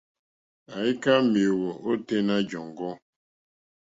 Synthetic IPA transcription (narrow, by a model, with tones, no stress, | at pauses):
a˨i˦ka˦mi˨o˨ɣo˨ʔo˦te˦na˦d͡ʒɔ˨ŋ˨ɡɔ˦